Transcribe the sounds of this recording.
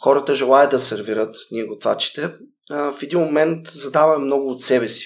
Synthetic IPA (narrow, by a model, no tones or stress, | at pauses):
xɔɾət̪əʒɛlˠajəd̪d̪ɐsɛɾviɾət̪nʲiɛɡot̪va̰t͡ʃi̥t̪ɛ | fɛd̪inmomɛnt̪zɐd̪avɐmɛmnɔɡʊːt̪sɛbɛsi̥